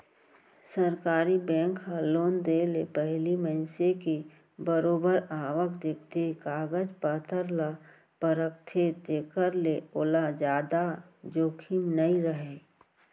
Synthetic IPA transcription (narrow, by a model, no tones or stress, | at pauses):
səɾkaːɾibɛ̃ːŋkɦəloːnd̪elepɛɦliməɪnseki | bəɾoːbəɾaːʋəkd̪ekʰt̪ekaːɡəd͡ʒpaːt̪ʰəɾla | pəɾək̚t̪ʰet̪eːkəɾleoːlad͡ʒaːd̪a | d͡ʒoːkʰimnəĩɾəɦe